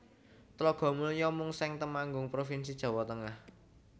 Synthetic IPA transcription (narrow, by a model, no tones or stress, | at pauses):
t̪lɔɡ̥ɔ̤muljɔmʊŋsɛŋt̪əmaŋɡʊŋpɾofins̬i̥ʒ̥a̤wɔt̪əŋah